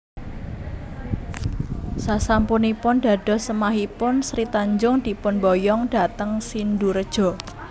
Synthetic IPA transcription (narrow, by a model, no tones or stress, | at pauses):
sasampunipʊnɖ̥a̤ɖ̥ɔ̤səmaɦipʊnsɾit̪aɲd͡ʒʊŋd̥̪i̤pʊnbɔjɔŋd̥a̤t̪əŋsinduɾəd̥ʒ̥ɔ̤